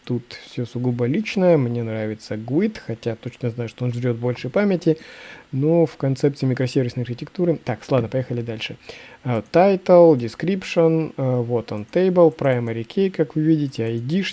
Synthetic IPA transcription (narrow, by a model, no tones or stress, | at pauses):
t̪ut̪fsʲosʊɡubəlʲit͡ɕnəjəmnʲe̞nɾavʲɪt̪səɡʊit̪xɐtʲat̪o̞t͡ɕnəznajʊʂt̪oonʐɾʲo̞t̪vbo̞lʲʂəjpamʲɪtʲɪnofkɐnt̪sɛp̚tsɨɪmʲɪkɾɐsʲevʲɪsnɪjɐrʲxʲɪtʲɪkt̪uɾɨt̪akslˠad̪nəpɐjexəlʲɪd̪alʲʂɨ | t̪ajt̪əlˠdʲɪskɾʲipʂənvot̪ont̪ejbəlˠpɾajməɾʲɪkʲʰejkakvɨvʲidʲɪtʲɪɐɪdʲiʂ